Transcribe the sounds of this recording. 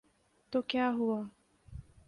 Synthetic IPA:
t̪okeaɦua

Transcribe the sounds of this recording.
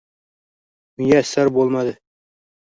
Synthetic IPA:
ɵ̆jæsæɾbolˠmɑd̪ɤ

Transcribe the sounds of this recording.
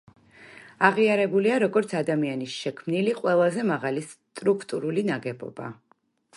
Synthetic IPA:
aʁiaɾɛbuliaɾɔɡɔɾt̪sʰad̪amianisʃɛkʰmniliqʼwɛlˠazɛmaʁalist̪ʼɾukʰt̪ʼuɾulinaɡɛbɔ̰ba̰

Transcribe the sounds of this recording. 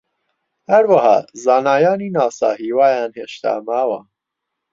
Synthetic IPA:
hɐɾwɐhɑ̰ːzaːnaːjɑːniːnɑːsɑ̰ːɦiːwaːjaːnheːʃt̪ʰa̰ːmaːwa

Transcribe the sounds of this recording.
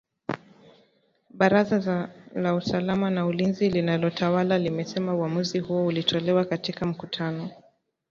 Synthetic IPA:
ɓaɾazalausalamanaulinzilinalɔtʰawalalimɛsɛmauamuzihuɔulitʰɔlɛwakatikam̩kutʰanɔ

